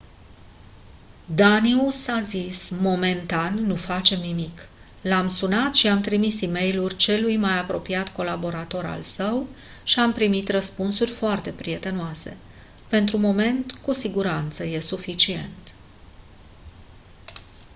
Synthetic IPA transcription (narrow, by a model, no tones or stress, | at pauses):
d̪aniusazismo̞me̞nt̪anːufat͡ʃe̞mnimik | lamsunat̪ʃiamt̪ɾimisime̞jlurʲt͡ʃe̞lujmajapɾo̞piat̪ko̞labo̞ɾat̪o̞ɾa̰lsəw | ʃiampɾimit̪rəspunsurʲfoart̪e̞pɾie̞t̪e̞noase̞̰ | pe̞nt̪ɾumo̞me̞nt̪kusiɡuɾant̪səje̞sufit͡ʃie̞̰nt̪